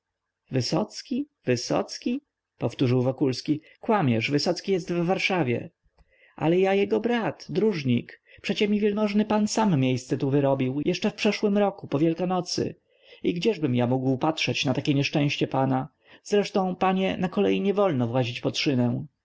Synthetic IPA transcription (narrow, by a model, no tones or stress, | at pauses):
vɘsɔ̰t̪skʲi | vɘsɔ̰t̪skʲi | pɔft̪uʐɘwvɔkulskʲi | kwamʲjɛʂvɘsɔt̪skʲijɛst̪vːaɾʂavʲjɛ̰ | ʔa̰lɛjajɛɡɔbɾat̪d̪ɾuʐɲikpʂɛt͡ɕɛmʲivʲjɛlmɔʐnɘpansamːʲjejst̪sɛt̪uvɘɾɔbʲiwjʔɛʂt͡ʂɛfpʂɛʂwɘmɾɔkupɔvʲjɛlkanɔt̪sɘ̰ | iɡd͡ʑɛʐbɘmjamuɡwpatʂɛt͡ɕnat̪akʲɛɲɛʂt͡ʂɛ̃w̃ɕt͡ɕɛpana | z̥ɾɛʂt̪ɔ̃w̃paɲɛnakɔlɛjiɲɛvɔlnɔvwaʑit͡ɕpɔtʂɘnɛw̃